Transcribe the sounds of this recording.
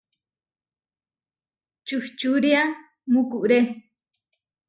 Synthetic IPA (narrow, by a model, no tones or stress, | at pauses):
t͡ʃuht͡ʃuɾia | mũkuʔɾe